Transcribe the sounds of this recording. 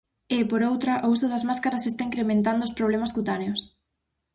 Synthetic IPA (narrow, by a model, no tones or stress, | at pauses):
ɪpoɾowt̪ɾɐʔousʊðɐzmaskaɾɐsest̪aiŋkɾemẽnt̪and̪oʊospɾoβ̞lemaskut̪aneʊs